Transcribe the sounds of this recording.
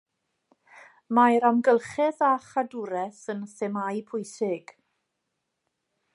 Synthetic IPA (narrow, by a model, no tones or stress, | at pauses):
majɾamɡəlˠχɛðaχadʊɾɛθənθɛmajpʰʊjsɪɡ̥